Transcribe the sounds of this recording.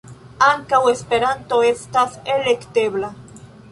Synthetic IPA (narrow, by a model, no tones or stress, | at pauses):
aŋkawespeɾant̪oest̪aselekt̪eβla